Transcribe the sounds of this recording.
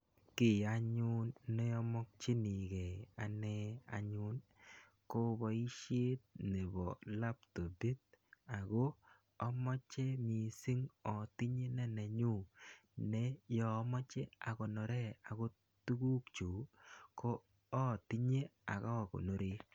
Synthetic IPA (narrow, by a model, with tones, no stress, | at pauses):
kɪ˨a˨ɲʊ˦nːe˦ɔ˦mɔ˦k̚t͡ʃi˦ni˨ɡe˨a˨nɛ˦a̰˨ɲʊ˦n | ko˦bɔ˨i˦ʃe˦t̪̚ne˨bɔ˨la˦pto˨bi˦t̪̚a˨ɡo˦ | ɔ˦mɔ˦t͡ʃe˦mi˨si˦ŋɔ˨t̪i˦ɲe˦na˦na˨ɲu˦˨nɛ˦jɔ˨˦mɔ˦t͡ʃe˦a˨kɔ˨nɔ˨ɾɛ˦˨a˨ɡo˦ | tu˦ɡu˦kt͡ʃu˨koː˦˨ | t̪i˦ɲe˦a̰˨kɔ˦˨kɔ̰˨no˨ɾe˦